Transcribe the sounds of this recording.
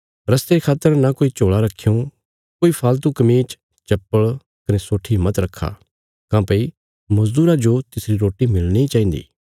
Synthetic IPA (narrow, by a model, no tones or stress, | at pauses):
ɾɐst̪eɾekʰaːt̪əɾnakoːit͡ʃoːɭaɾɐkʰːejũ | koːipʰaːlt̪ukɐmiːt͡ʃ | t͡ʃɐpːəɭ | kɐnesoːʈʰimɐt̪ɾɐkʰːa̰ | kãːpei | mɐzd̪uːɾad͡ʒot̪ɪsɾiɾoːʈimɪlniit͡ʃaːĩːn̆d̪ḭː